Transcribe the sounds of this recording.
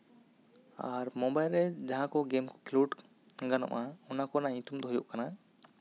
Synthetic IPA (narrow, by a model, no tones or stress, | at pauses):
aɾmɔ̃bajlɾɛd͡ʒaɦãkɔɡemkɔ̥kluɖ | ɡanɔ̰ʔaɔnakɔnaĩt̪umd̪ɔɦujuʔkana